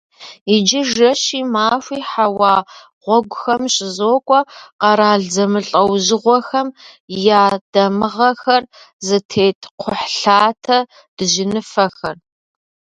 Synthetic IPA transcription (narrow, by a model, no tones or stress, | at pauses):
id͡ʒɪʒɐɕiːmaːfʷiːħawɑː | ʁʷɔɡʷʊxɐmɕʼɪzoːkʷʼɔqɐɾaːɮzɐmɨɬʼɐwʑɪʁʷɔxɐmjaːd̥ɐmɨʁɐxɐr | zɨtʰeːtʰqʷʰʊħɬaːtʰɐ | d̥ɨʒɪnɨfɐxɐr